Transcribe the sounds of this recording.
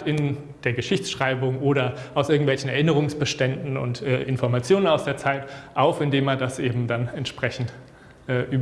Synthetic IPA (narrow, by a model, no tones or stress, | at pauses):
ɪn | d̥eːɐɡəʃɪçt͡sʃʁ̥aɪbʊŋʔoːɾɐʔaʊsʔɪɐɡŋ̩tvɛlçn̩ɛɐʔɪnəʁ̞ʊŋsb̥əʃtɛndn̩ʊ̰ntʔɛ̰ːʔɪnfɔɐmat͡sjoːnənaʊsd̥eːɐt͡saɪtʔaʊfɪndeːmɛɐdasʔeːbm̩danɛntʃpʁ̥ɛçn̩t | ʔɛːʔyːb